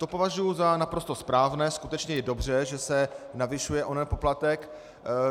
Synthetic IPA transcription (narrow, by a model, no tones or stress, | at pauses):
t̪o̞po̞vaʒujuzanapɾost̪o̞spɾaːvnɛːskut̪ɛt͡ʃɲɛjɛdo̞br̝ɛʒɛsɛnavɪʃujɛʔonɛpo̞plat̪ɛk